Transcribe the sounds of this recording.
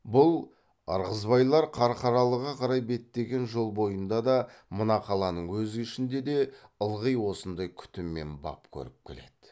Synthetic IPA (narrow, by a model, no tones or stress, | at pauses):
bʊlˠ | ɑ̰ɾʁəzbɑjlˠɑɾqʰɑɾqɑɾɑlˠəʁɑqʰɑɾɑjbe̞t̪ːe̞ɡʲe̞nʒo̞lˠbo̞jənd̪ɑd̪ɑmənɑqʰɑlˠɑnəɴwɵzɪɪʃɪnd̪e̞d̪e̞əlˠʁəjwo̞sənd̪ɑjkʲʰʏ̥t̪ɪmːe̞̰nbɑ̰pkʲʰɵ̰ɾɪp̚kʲʰele̞d̪̥ɪ